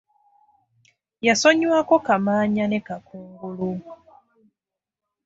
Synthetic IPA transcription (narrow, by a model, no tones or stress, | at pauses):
jaso̞ɲwako̞kamaːɲane̞kakuːŋɡulu